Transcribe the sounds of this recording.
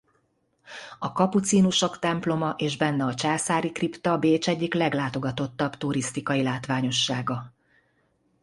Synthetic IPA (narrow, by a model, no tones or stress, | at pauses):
ɒkɒput̪siːnuʃo̞kt̪ɛmplo̞mɒʔeːʒbɛnːɛɒt͡ʃaːsaːɾikript̪ɒbeːt͡ʃɛɟːiklɛɡlaːt̪o̞ɡɒt̪o̞t̪ːɒbt̪uɾist̪ikɒjilaːt̪ʋaːɲo̞ʃːaːɡɒ